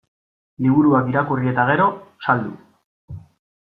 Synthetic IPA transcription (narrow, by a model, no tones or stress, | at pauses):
liβ̞uɾuakiɾakurie̞t̪aɣe̞ɾo̞sald̪ṵ